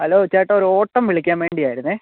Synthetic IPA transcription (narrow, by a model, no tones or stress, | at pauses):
ɐloːʋet͡ɕːaːjʈːɨoɾuo̞ːʈːɐmʋiɭikʲːaːnʋe̞ːɳɖijaːjiɾunːɨ